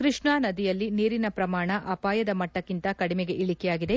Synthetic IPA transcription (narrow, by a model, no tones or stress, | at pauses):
kɾɨʂɳaːnɐd̪ijɐlːiniːɾinɐpɾɐmaːɳɐʔɐpaːjɐd̪ɐmɐʈːɐkːint̪ɐkɐɽimeɡe̞ʔiɭikɛjaːɡid̪e̞